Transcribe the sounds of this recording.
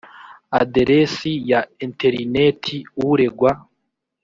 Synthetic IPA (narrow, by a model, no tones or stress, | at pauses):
a̰deɾʔesijaenteɾinetʰiuɾeɡwa